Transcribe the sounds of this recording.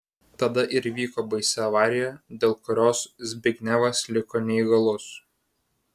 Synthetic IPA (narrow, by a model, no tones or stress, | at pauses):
t̪ɐd̪ɐʔɪɾʋʲiːkoːbɐɪsʲɛɐʋɑːɾʲɪjɛd̪ʲeːlˠkʊɾʲoːszʲbʲɪɡʲnʲæʋɐslʲɪkoːnʲɛiɡɐlˠʊs